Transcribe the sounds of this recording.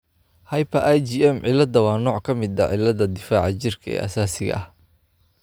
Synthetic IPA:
hɐjpʰɐʔɐjd͡ʒiɛmʕɪlɐd̪ɐwɑːnɔːʕkʰɐmɪd̪ɐʕɪlːɐðɐd̪ɪfaːʕɑt͡ʃɪrkʰɐɛ̰ːʔɐ̰saːsɪɣɐ̰ʔɐh

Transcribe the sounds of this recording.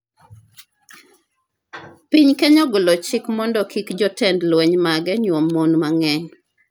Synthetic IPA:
piɲkɛɲɔɡʊlɔt͡ʃɪkmɔndɔkʰikd͡ʒɔtɛndlwɛɲmaɡɛɲwomːɔnmaŋɛɲ

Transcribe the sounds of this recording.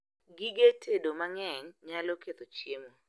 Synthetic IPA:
ɡiɡetʰedomaŋɛɲɲalɔket̪ot͡ʃjemo

